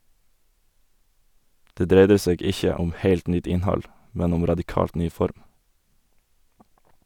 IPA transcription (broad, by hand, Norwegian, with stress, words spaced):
ˈdeː ˈdɾeɪdə ˈseːɡ ˈɪçə ˈʊm ˈheɪlt ˈnʏt ˈɪnˌhɑl ˈmɛn ˈʊm ɾɑdɪˈkɑːlt ˈnyː ˈfɔɾm